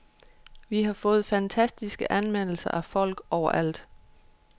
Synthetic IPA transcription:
ʋiɦɑ̈fɔ̽ːð̞̩ˠfænt͡sʰæsd̥isɡ̥əʔænmen̰l̩sɐʔæfɒ̽l̰ɡ̥ɒʊ̰ɐʔæl̰d̥

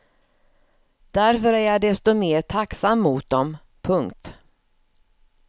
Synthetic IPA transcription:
d̪æɾfœɾæɾjad̪ɛst̪ɔmeːɾt̪ʰaksamːuːt̪̚d̪ɔm | pʰɵŋkt̪

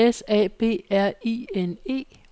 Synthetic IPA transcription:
esɛ̰ːb̥e̝̰ːæɐ̰iːene̝̰ː

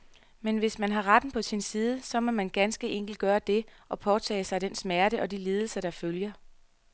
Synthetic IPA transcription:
menʋe̝smænɦɑ̈ʁad̥n̩pʰɒ̽sinsiːð̞ˠəsɒ̽mɒ̽mænɡ̥ænsɡ̥əʔeŋ̰ɡ̥l̩d̥̚ɡ̥ɶːɐd̥e̝ʔɒ̽pʰɒt͡sʰɛ̰ːɪsɑ̈ɪd̥ensmæɐɾ̥əʔɒ̽diliːð̞ˠl̩sɐd̥ɑ̈føljɐ

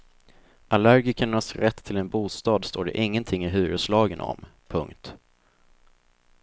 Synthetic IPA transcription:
ʔalæɾɡɪkəɳasɾɛt̪ʰːɪlɛnbuːst̪ɑːd̪st̪oːɖɛ̰ʔɪŋːənt̪ʰɪŋːɪɦʉ̟ːɾəslɑːɡənɔ̰mpʰɵŋkt̪

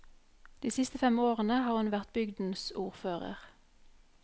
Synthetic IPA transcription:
d̪̥iːsɪst̪əfɛmoːʁənəhɑːʁhʉnʋæʁt̪̚bʏɡd̪n̩suːʁføːʁə̰ʁ

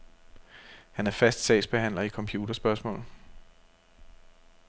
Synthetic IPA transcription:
hænæɐfæsd̥sɛ̰ɪsb̥e̝ɦæn̰lɐikʰɒ̽mpʰjuːd̥ɐsb̥ɶɐsmɔ̰̽ːl

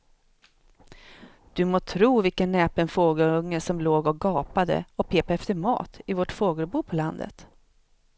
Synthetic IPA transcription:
d̪̥ɵmoːt̪ʰɾuːvɪlkənːɛːpɛnfoːɡəlɵŋːəʂɔmloːɡɔɡɑːpad̪ə̰ɔpʰeːpaɛft̪əɾmɑ̰ːt̪ɪvoʈfoːɡəlbuːpʰɔland̪ə̰t̪

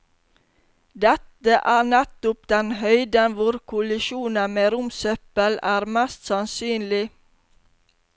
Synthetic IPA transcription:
d̪ɛt̪əʔæːnɛt̪ʊp̚d̪ɛnhœʏd̪ənʋʊɾkʰʊlɪʃuːnənmeːɾʊmsœpəlæːɾmæst̪sɑnsyːnlɪ

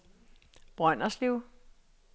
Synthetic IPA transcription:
b̥ʁɶn̰ɐsliʊ

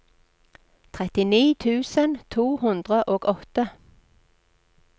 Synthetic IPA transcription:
t̪ʰʁɛt̪ɪniːt̪ʰʉːsənt̪ʰuːhʉnd̪ʁəʔoːɡɔt̪ə

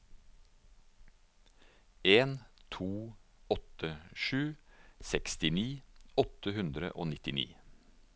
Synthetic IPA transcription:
eːnt̪ʰuːɔt̪əʃʉːsɛkst̪ɪniːɔt̪əhʉnd̪ɾə̰ʔoːnɪt̪ɪnḭː

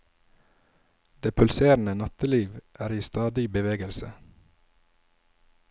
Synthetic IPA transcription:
d̪̥eːpʰʉlseːɾnənɑt̪əliːʋʔæːɾiːst̪ɑːd̪ɪbəʋeːɡəlsə̰

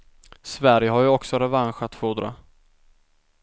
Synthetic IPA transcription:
svæɾjəɦaɾjɵɔksɔɾɛvanɧat̪fuːd̪ɾa̰

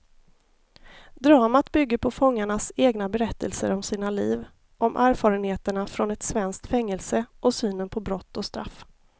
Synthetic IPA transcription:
d̪ɾɑːmat̪bʏɡːəɾpʰɔfɔŋːaɳaseːɡnabɛɾɛt̪ːəlsə̰ɾɔmsiːnaliːv | ʔɔmʔæːɾfɑːɾənheːt̪əɳafɾɔnɛt̪svɛnskt̪fɛŋːɛlsəʔɔsyːnənpʰɔbɾɔt̪ːɔst̪ɾa̰fː

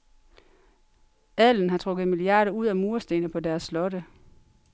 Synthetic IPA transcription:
æln̩ɦɑ̈t͡sʰʁɔ̽ɡ̥ð̩ˠmiliɑ̰̈ːɾɐuð̰ˠæmuːɐsd̥e̝ːnəpʰɒ̽dæɐsːlɒ̽ɾə

